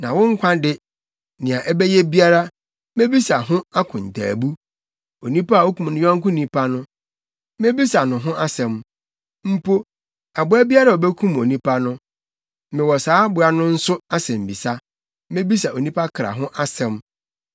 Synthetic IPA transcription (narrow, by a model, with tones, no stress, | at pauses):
nã˨wɔ̃˦ŋ̩˦kʷʰã˦dɪ˦ | nɪ̃˨a˨ʔɛ˦bɛ˦je˦bi˦a˦ɾa˦ | mẽ˦bi˦sa˨ɦʊ̃˦a˦kʰʊ̃˨n̩˨tʰa̰ː˨bu˦ | o˨nĩ˦pa˦a˨o˦kʰũ˨mnʊ̃˦jᶣɔ̃˦ŋ̩˦kʊ̃˦nĩ˦pʰa˦nʊ̃˦ | mẽ˦bi˦sa˨nʊ̃˨ɦʊ̃˦ʔa˦sɛ̃˨m | m̩˦po˦ | a˨bʊ˦æ˦bi˦a˦ɾa˨o˨bɛ˦kʰũ˦mo˨nĩ˦pʰa˦nʊ̃˦ | mɪ̃˨wɔ˨saː˦bʊ˨a˨nʊ̃˦n̩˦sʊ˦a˦sɛ̃˨m̩˨bi˨sa˦ | mẽ˦bi˦s̬a˨o˨nĩ˦pʰa˦kʰɾa̰˨ɦʊ̃˦ʔa˦sɛ̃˨m